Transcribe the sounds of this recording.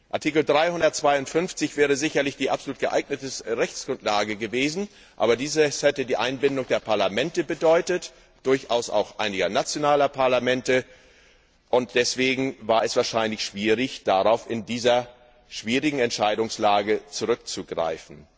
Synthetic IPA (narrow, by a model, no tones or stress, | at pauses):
ʔaɐtʰiːkl̩dʁaɪhʊndɐt̚t͡sv̥aɪʊntfʏnft͡sɪçv̥ɛːʁ̞əzɪçɐlɪçd̥iːʔapzoluːt̚ɡ̥əʔa̰ɪɡnətəsʁɛçt͡sɡ̥ʁʊntlaːɡəɡəveːzn̩ | ʔa̰ːbɐdiːzəshɛtədiːʔaɪnbɪndʊŋd̥eːɐpʰaɐlamɛntəbədɔʏtət | d̥ʊɐçʔa̰ʊsa̰ʊxʔa̰ɪnɪɡɐnat͡sjonaːlɐpʰaɐlamɛntə | ʔʊnt̚d̥ɛsv̥eːɡŋ̩vaːɐɛsv̥aːɐʃaɪnlɪçʃv̥iːʁɪçd̥aʁaʊfɪndiːzɐ | ʃv̥iːʁɪɡŋ̩ɛntʃaɪdʊŋslaːɡət͡suʁʏk̚t͡suɡʁa̰ɪfn̩